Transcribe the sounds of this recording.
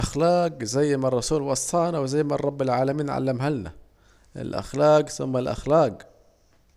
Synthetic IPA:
ʔaxlaːɡzajːmarˤːɑsuːlwɑsˤːɑːnawɪzajːmarˤːɑbːɪlʕaːlamiːnʕa̰lːamɦalna̰ | ʔɪ̰lʔa̰xlaːqsʊmːalʔa̰xlaːq

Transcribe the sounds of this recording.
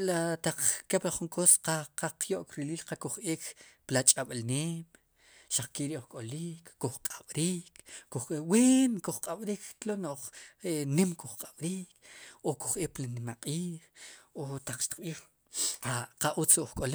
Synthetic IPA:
lat̪aq͡χkeplaχuŋkosqaqaqjoʔkɾiliːlqakuχʔiːkplat͡ʃʼaɓlneːm | ʃaq͡χkiʔɾiʔuχkʼoliːkːuχqʼaɓ̥ɾiːkkuχewiːnkuχqʼaɓɾiːkklonoχenimkuχqʼaɓ̥ɾiːkoku̥χʔeːplanimaqʼiːχot̪aq͡χʃt̪i̥q̚ɓiːχ | aqaʔut͡sʔχkʼole

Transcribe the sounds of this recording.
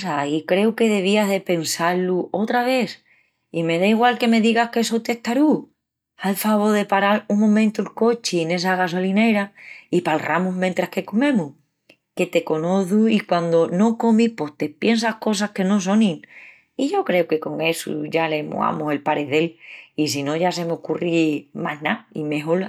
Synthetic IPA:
saikɾe̞uke̞ðe̞β̞iaɦðe̞pe̞nsaɾluʔo̞t̪ɾaβ̞e̞θ | ime̞ðaiɣwalke̞me̞ðiɣahkesot̪e̞ht̪aɾu | alfaβo̞ðe̞paɾaɾuŋmõmẽnt̪ulko̞t͡ʃiene̞s̬aɣas̬o̞line̞ɾaipalramuɦmjent̪ɾahke̞ko̞mẽ̞muh | ke̞t̪e̞ko̞no̞θuikwand̪o̞no̞ko̞mihpo̞ht̪e̞pje̞ns̬ahko̞sahke̞no̞s̬o̞nĩŋ | iʝo̞kɾe̞oke̞ko̞ŋe̞sṵʝale̞mo̰a̰muse̞lpaɾe̞ðe̞lisino̞ʝas̬e̞meokurimaɦnaḭme̞ɦo̞l

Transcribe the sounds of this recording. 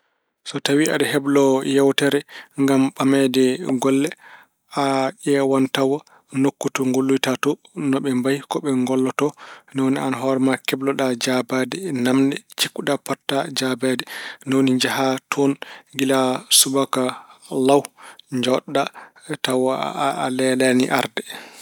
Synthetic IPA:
sɔtawiʔa̰ɗɛhɛblɔjɛwtɛɾɛŋɡamɓamɛdɛɡɔlːɛ | aʔɛwantawa | nokːutɔŋɡolːujtatɔ | nɔɓɛmbajkɔɓɛŋɡɔlːɔtɔnawnia̰naɦɔɾɛmakɛblɔɗad͡ʒabadɛnamndɛt͡ʃikːuɗapɔtːad͡ʒabadɛnawniɲd͡ʒaɦatʰɔnɡilasubakalawɲd͡ʒɔɗːatawalɛlaniʔa̰ɾdɛ

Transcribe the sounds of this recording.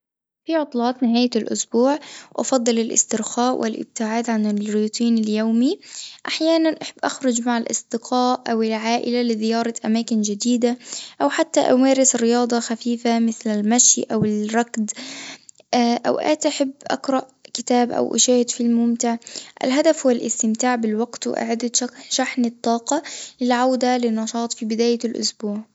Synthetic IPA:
fiʕʊt̪ˤlɑːt̪ˤnɪɦaːjalʔʊ̰sbuːʕʔɑ̰fɑd̪ˤːɨlɪlʔɪ̰st̪ɪɾxaːʔwʔɪlʔɪ̰b̚t̪ɪʕaːd̪ʕanɪlɾuːt̪ˤiːnɪljoːmiʔaħjaːnanʔaħɪbːʔaxɾˤʊd͡ʒmaʕalʔɑ̰sˤd̪ɪqʰɑːʔʔawɪlʕaːʔɪlalɪðɪjɑːɾˤɑʔamaːkɪnd͡ʒad̪iːd̪aʔawħat̪ːaʔʊmeːɾɪsɪrːɪjɑːd̪ˤɑxafiːfamɪθlalmaʃjʔawɪlrˤɑkd̪ | ʔa̰wʔa̰ːt̪ʔaħɪbːʔa̰qɾˤɑʔkɪt̪aːbʔa̰wʔa̰ʃaːhɪd̪filmʊmt̪ɪʕʔa̰lɦad̪afwɪlʔɪ̰st̪ɪmt̪aːʕbɪlwaɡt̪wʔa̰ʕad̪aʃaħnɪt̪ˤːɑːqɑlɪlʕawd̪alɪnːɑʃɑːt̪ˤfiːbɪd̪aːjalʔʊ̰sbuːʕ

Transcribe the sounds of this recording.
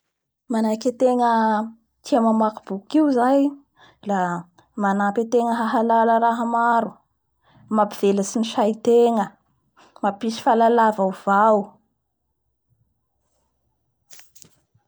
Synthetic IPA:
manakʲet̪eŋə | t̪iamamakub̥ukiuzaj | la | manapet̪eŋəɦaɦalaləɾaɦəmaɾu̥ | mapiv̥eləsiniʃajit̪eŋə | mapisi̥falalavawv̥awu

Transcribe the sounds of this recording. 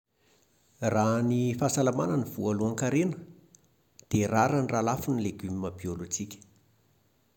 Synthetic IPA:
ranifasalamananivualuaŋkaɾenə̥ | d̪̥eraɾaniralafunileɡymimabiolut͡sikʲə̥

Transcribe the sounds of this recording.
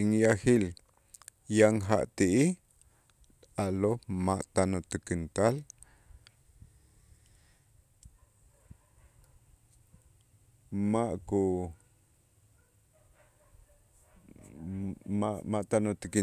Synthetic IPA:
iŋjahil | jaŋɦa̰ʔt̪iʔi | alomaʔt̪anot̪əkint̪al | maʔku | mamaʔt̪anot̪əki

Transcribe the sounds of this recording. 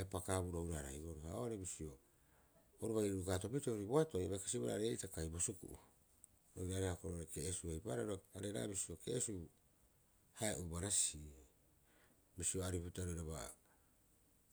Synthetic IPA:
apakabuɾohuɾaɾa̰jo̞ɾohaoɾebisio̞ | oɾuβajɾuɾukaːto̞pitouɾiboato̞jβajkasiβoɾa̰ɾeejtakajbo̞sukṵʔu | ɾowɾaɾehakoɾoɾeke̞ːsuejpaɾaɾoaɾeɾa̰bisio̞kḛesu | haeʔubaɾasi | misio̞aɾiputaɾojɾaβa̰

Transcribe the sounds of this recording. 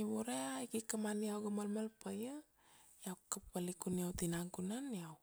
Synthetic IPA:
iboɾeaikikəmanijawɡəmalmalpəjə | jawkəpalikuniawt̪inaŋkunanijaw

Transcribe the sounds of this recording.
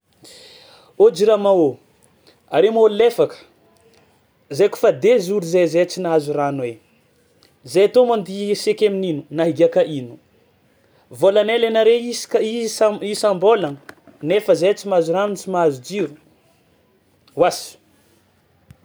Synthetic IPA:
od͡ʒiɾamao | aɾemollefakə̥ | zeku̥fad̪ezuɾuzezet͡sinazuranwe | zejat̪omand̪isekemininunaɦiɡiakaʔinu̥ | volanelenaɾeiskisaisambolan | nefəzet͡simazuɾant͡simazud͡ʒiɾu | wasi̥

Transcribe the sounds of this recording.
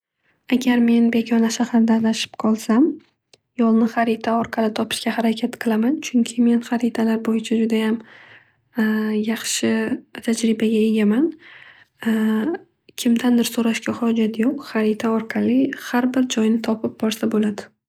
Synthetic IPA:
aɡʲaɾme̞nbe̞ɡʲʰɒnaʃahɾd̪alaʃɪ̥pqʰɒlˠsam | jɒlˠnɪχaɾɪt̪ʰaɒɾqʰɑlɪt̪ʰɒpɪ̥ʃkʲahaɾakʲʰat̪qʰɨlˠamant͡ʃʰʊŋkʲʰɪme̞nχaɾɪt̪ʰalaɾbojɪt͡ʃʰad͡ʒʊd̪ajam | jɑχʃɪt̪ʰad͡ʒɾɪbaɡʲae̞ɡʲaman | kʲʰɪmd̪and̪ɪɾsoɾaʃkʲaχɒd͡ʒat̪ʰjoqχaɾɪt̪ʰaɒɾqʰɑlɪhaɾbɪɾd͡ʒɒjnɪt̪ʰɒpʰɪp̚bɒɾsabolad̪ɪ

